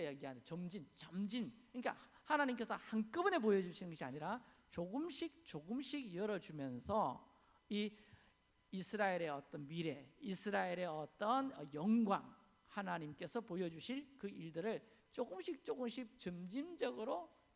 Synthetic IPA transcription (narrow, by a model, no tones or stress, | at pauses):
jaɡiɦandet͡ɕʌmd͡ʑint͡ɕamd͡ʑinɯɲik͈a̰ | hanaɲimk͈e̞sʰʌhank͈ɯbune̞p̬ojʌd͡ʑuɕʰinɯnɡʌɕʰia̰ɲiɾa | t͡ɕoɡɯmɕʰik̚t͡ɕ͈oɡɯmɕʰiɡjʌɾʌd͡ʑumjʌnsʰʌ | i | isʰɯɾaeɾe̞ʌt͈ʌnmiɾe̞isʰɯɾaeɾe̞ʌt͈ʌnʌjʌŋɡwa̰ŋ | hanaɲimk͈e̞sʰʌpojʌd͡ʑuɕʰinkɯiɭdɯɾɯɭ | t͡ɕ͈oɡɯmɕʰik̚t͡ɕ͈oɡɯmɕʰik̚t͡ɕʌmd͡ʑimd͡ʑʌɡɯɾo